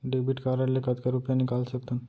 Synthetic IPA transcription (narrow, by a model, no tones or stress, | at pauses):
ɖebiʈkaɾalekət̪kaɾupjanikalsək̚t̪ən